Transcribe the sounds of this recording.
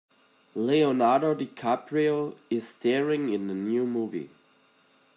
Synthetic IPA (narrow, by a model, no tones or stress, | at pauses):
leonaɾodikʰapʰɹioɪz̥stʰɛɹɪ̃ŋɪ̃nənjumuvḭ